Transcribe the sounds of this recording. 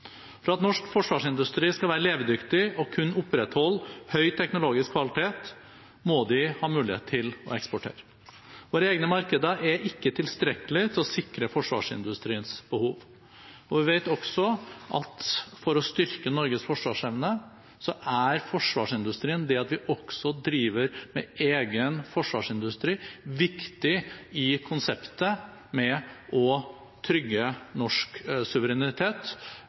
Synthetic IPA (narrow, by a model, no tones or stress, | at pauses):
fɾɑt̪nɔʂkfɔʂʋɑːʂɪnd̪ʉst̪ɾiːskɑlʋæːɾəleːʋd̪ʏkt̪ɪɔkʰʉnːʊpːɾɛt̪hɔlːhœʏt̪ʰɛknʊloːɡɪskʰʋɑlɪt̪ʰeːt̪ | mɔd̪ɪhɑːmʉːlɪhḛt̪ʰɪlɔ̰ɛkspɔʈʰḛːɾə | ʋoːɾəeːɡnəmɑɾkəd̪əʔɛʔɪkːət̪ʰɪlst̪ɾɛkəlɪt̪ʰɪlɔsɪkɾəfɔʂʋɑ̰ːʂɪ̰nd̪ʉst̪ɾiːənsb̥əhuːʋ | ɔʋɪʋeɪt̪ɔksɔʔɑ̰t̪fɔɾɔst̪ʏɾkənɔɾɡəsfɔʂʋɑːʂɛʋnə | sɔʔæɾfɔʂʋɑ̰ːʂɪnd̪ʉst̪ɾiːənd̪ɛɑt̪ʋɪʔɔksɔd̪ɾiːʋəɾmɛʔeːɡənfɔʂʋɑːʂɪnd̪ʉst̪ɾiːʋɪkt̪ɪɪkʰʊnsɛpt̪ə | mɛɔ | t̪ʰɾʏɡːənɔʂksʉʋəɾɛnɪt̪ʰeːt̪